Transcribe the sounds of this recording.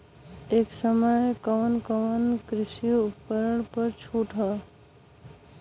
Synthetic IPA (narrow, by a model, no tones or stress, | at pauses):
eːksəməjkəʋənkəʋənkɾɪsioʊpkəɾəɳ̃pəɾt͡ʃʰuːʈʰaː